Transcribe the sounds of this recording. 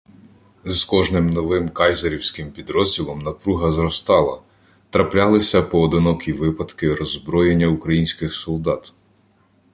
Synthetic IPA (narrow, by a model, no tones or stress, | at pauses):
zkɔʒnɪmnɔʋɪmkɑjzɐɾʲiwsʲkɪmpʲid̪ɾɔzʲdʲilˠɔmnɐpɾuɦɐzɾɔst̪ɑlˠɐ | t̪ɾɐplʲɑlˠɪsʲɐpɔːd̪ɪnɔkʰʲiʋɪpɐd̪kɪɾɔzbɾɔjenʲːɐukɾɐjinʲsʲkɪxsɔlˠd̪ɑt̪